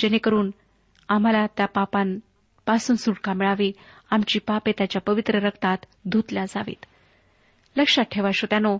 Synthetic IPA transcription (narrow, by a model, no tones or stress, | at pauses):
d͡ʑenekəɾuːn | am̤alat̪japapan | pasuːnsuɽkamiɭaʋiː | amt͡ɕiːpapet̪jat͡ɕjapəʋit̪ɾəɾəkt̪at̪ | d̪ʱut̪ljad͡zaʋḭːt̪ | ləkʂaʈʰeʋaɕot̪jano